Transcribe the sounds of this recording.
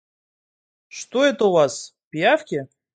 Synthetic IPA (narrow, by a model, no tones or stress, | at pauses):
ʂt̪oet̪ovaspʲijafkʲe